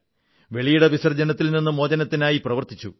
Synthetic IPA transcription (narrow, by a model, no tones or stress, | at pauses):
ʋe̞ɭijuɽeʋisɐrd͡ʑɐnɐt̪ːilninːɨmo̞ːd͡ʑɐnɐt̪ːinaːjiprɐʋɐrt̪it͡ɕːu